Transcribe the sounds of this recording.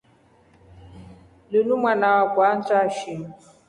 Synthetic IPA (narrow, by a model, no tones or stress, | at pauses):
lunumwanawakʷwan̩t͡ʃaʃi